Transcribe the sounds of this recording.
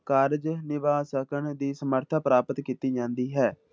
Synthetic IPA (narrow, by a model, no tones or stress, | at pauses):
kaːɾd͡ʒnɪʋaːsəkəɳd̪iːsəməɾt̪ʰaːpəɾaːpət̪kiːt̪iːd͡ʒãːnd̪iːɦɛː